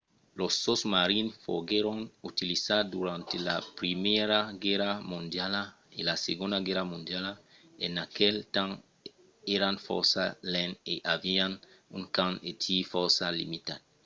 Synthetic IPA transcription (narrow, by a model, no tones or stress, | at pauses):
losːosmaɾinfoɡeɾoŋut̪ilisaɾd̪uɾãnt̪elapɾimeɾaɡeɾamũnd̪jala | elaseɡõnd̪aɡeɾamũnd̪jala | enakelt̪ãŋ | eɾanfo̰ɾsalẽneʔavian | uŋkãŋet̪ʰifoɾsalḭmit̪ad̪